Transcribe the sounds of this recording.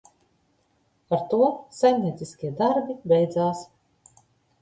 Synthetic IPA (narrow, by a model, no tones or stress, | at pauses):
aɾt̪uɔsajmnʲiɛt̪siskʲiɛd̪aɾbibɛjd̪zaːs